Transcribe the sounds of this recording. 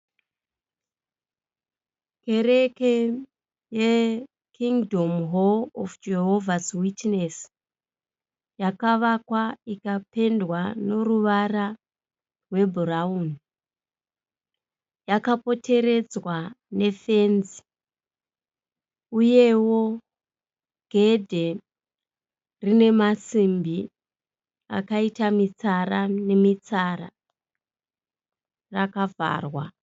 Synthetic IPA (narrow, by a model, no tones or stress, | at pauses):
ke̞re̞ke | je | kʰiŋdʱomɦoofd͡ʒeɦovʱaswitnes | jakaʋakwaikape̞ndwano̞ruʋara | rwe̞bʱuraun | jakapo̞tʰe̞ɾe̞d͡zwane̞fe̞nzi | uje̞wo̞ | ɡ̥ʱe̞dʱe̞ | rine̞masimbi | a̰kaitamit͡sarane̞mit͡sara | rakava̰ːrwa